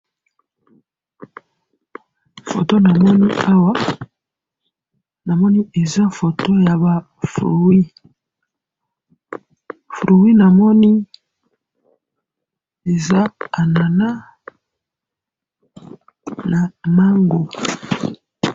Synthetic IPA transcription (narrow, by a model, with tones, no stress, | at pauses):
fo̰˨to˦na˨mɔ˦ni˦a˦wa˦ | na˨mɔ˦ni˦e˨za˦fo˨to˦ja˨ba˨ | fɾo̰˨wi˦ | fɾo˨wi˦na˨mɔ˦ni˦ | e˨za˦a˨na˨na˦ | na˨na˦ŋɡo˨